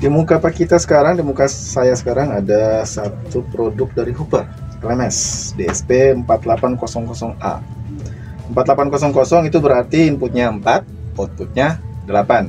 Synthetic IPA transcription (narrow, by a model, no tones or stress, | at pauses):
dimukapakit̪asə̥kaɾaŋdimukasajasə̥kaɾaŋadasat̪upɾodʊk̚daɾiɦupər | klɛmɛsdeɛspeəmpat̪lapankosɔŋkɔsɔŋa̰ | əmpat̪lapankɔsɔŋkɔsɔŋit̪ubəɾart̪iːmpʊt̪̚ɲaəmpat̪̚ɔt̪̚put̪̚ɲadəlapan